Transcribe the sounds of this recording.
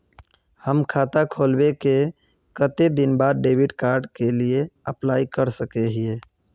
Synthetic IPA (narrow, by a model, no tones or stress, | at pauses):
həmkʰaːt̪akʰoːlbeke | kət̪ed̪ɪnbaːd̪̚ɖeːbiɖkaːɾɖkelieəplaːikəɾsəkeɦie